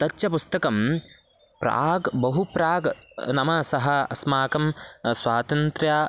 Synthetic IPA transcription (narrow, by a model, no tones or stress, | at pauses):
t̪ɐtːʃɐpust̪ɐkɐm | pɾa̰ːɡbɐɦupɾaːɡnɐmɐsɐɦɐ̆ɐ̰smaːkɐmsʋaːt̪ɐnt̪ɾjaː